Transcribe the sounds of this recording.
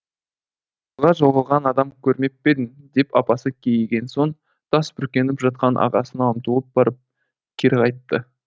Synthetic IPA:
ʁɑʒoʁɑlˠʁɑnɑd̪ɑmkʲʰɵɾme̞p̚ːe̞d̪ɪm | d̪e̞pɑpɑsəkʲʰejɡʲe̞nso̞ɴ | t̪ʰɑsbʏɾkʲe̞nɪpʒɑt̪̚qɑnʔɑ̰ʁɑsənɑəmt̪ulˠəp̚bɑɾəp̚ | kʲʰeɾʁɑjt̪ːə

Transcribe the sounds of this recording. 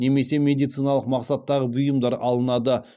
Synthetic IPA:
ne̞me̞se̞mʲe̞d̪ijt̪sijnɑlˠəqmɑqsɑt̪ːɑʁəbʊjəmd̪ɑɾɑlˠənɑd̪ə

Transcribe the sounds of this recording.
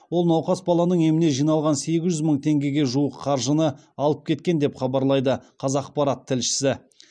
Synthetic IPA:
wo̞lˠnɑwqɑsbɑlˠɑnəɴe̞mɪne̞ʒijnɑlˠʁɑnse̞ɡʲɪʒʏzməɴt̪ʰe̞ŋɡʲe̞ɡʲe̞ʒuəqʰːɑɾʒənə | ɑlˠəp̚kʲʰe̞t̪̚kʲe̞nd̪e̞pχɑbɑɾlˠɑjd̪əqʰɑzɑq̚pɑɾat̪ʰːɪlʃɪ̥sɪ

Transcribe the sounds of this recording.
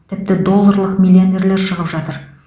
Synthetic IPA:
t̪ʰɪp̚t̪ɪd̪o̞lˠːaɾlˠəqmʲilʲione̞ɾle̞ɾʃəʁəpʒɑt̪əɾ

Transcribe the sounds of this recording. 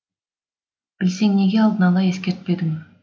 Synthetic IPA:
b̥ɪlseŋne̞ɡʲe̞ɑlˠd̪ənɑlˠɑje̞skʲe̞ɾt̪̚pe̞d̪ɪm

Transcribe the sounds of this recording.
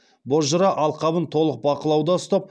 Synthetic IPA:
bozʒəɾɑʔɑlˠqɑbənt̪ʰo̞lˠəq̚bɑqəlˠɑwd̪ɑəst̪ɑp̚

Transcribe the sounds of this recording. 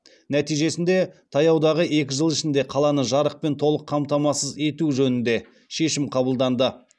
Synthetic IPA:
næt̪ijʒe̞sɪnd̪e̞t̪ʰɑjɑwd̪ɑʁəekʲɪʒəlˠɪʃɪnd̪e̞qʰɑlˠɑnəʒɑɾəq̚pe̞nt̪ʰo̞lˠəqʰːɑmt̪ɑmɑsəze̞t̪uʒɵnɪnd̪e̞ | ʃe̞ʃɪmqʰɑbəlˠd̪ɑnd̪ə

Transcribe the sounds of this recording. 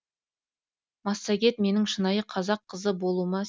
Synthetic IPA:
mɑsːɑɡʲe̞t̪me̞nɪŋʃənɑjəqʰɑzɑqʰːəzəbo̞lˠumɑ

